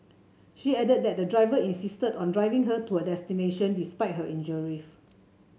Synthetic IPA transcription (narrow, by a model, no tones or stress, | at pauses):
ʃiɛdəd̚dɛt̚dədɹaɪvəĩnsistədɔ̃ndɹaɪvĩŋɦətuədɛstineʃə̃ndispaɪt̚ɦəʔĩnd͡ʒəɹis